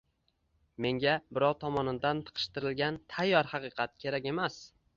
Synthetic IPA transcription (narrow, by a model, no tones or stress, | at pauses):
me̞ŋɡʲabɪɾɒwt̪ʰɒmɒnɪnd̪ant̪ʰɨ̥qʰɨ̥ʃt̪ɪɾɪlɡʲant̪ʰajːɒɾhɑqɨqʰɑt̪̚kʲʰe̞ɾakʲe̞mas